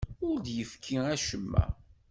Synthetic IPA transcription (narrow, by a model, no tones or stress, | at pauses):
ʊɾd̪jəfkʰːiæʃəmːæ̰